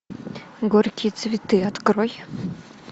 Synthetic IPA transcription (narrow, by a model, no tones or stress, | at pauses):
ɡorkʲʰit̪t͡s̪vʲit̪ɨat̪kroj